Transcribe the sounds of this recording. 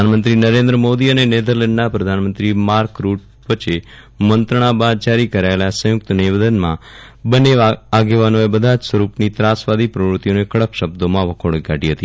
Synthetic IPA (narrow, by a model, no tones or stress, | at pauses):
anmənt̪ɾinəɾẽnd̪ɾəmod̪iənened̪əɾleɳɖnapɾəd̪ʱanmənt̪ɾimaːɾkɾuːʈ̚ | ʋət͡ʃe | mə̃nt̪ɾəɽ̃ãbad̪̚d͡ʒaɾikəɾaelasə̃jʊk̚t̪niʋəd̪ənmã̰bəneʋaɡeʋanoebəd̪ʱad͡ʒsʋəɾupnit̪ɾasʋad̪ʱipɾəʋɾʊt̪ːijonekəɽəpʃəb̚d̪omãʋəkʰoɽɡaɖiɦət̪i